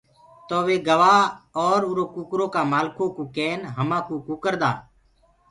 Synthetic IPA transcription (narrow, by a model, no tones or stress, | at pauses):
t̪oːʋeːɡəʋaːɔːɾuːɾoːkuːkɾoːkaːmaːlkõːkoːkeːnɦəmãːkoːkuːkəɾd̪a̰ː